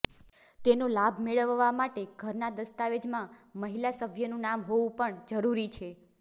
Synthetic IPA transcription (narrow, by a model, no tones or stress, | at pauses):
t̪enolabʱmeɭəʋːamaʈeɡʱəɾnad̪əst̪aʋed͡ʒmãməɦilasəbʱjənũnamɦoʋũpəɳd͡ʒəɾuɾit͡ʃʰe